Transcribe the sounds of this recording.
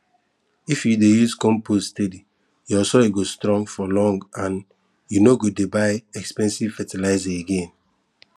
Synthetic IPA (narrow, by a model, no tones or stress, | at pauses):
ifjudejuzkɔ̃mpʰosstedi | jɔsɔiɡostɾɔ̃ŋɡfɔlɔ̃ŋɡãn | junoɡodebaɪɛkspɛ̃nsiv̥fɛtilaɪzɛeɡẽn